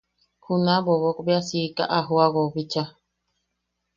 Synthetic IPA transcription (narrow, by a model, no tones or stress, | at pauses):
kunaboβokbeasika̰ʔaɦuaɣoβit͡ʃa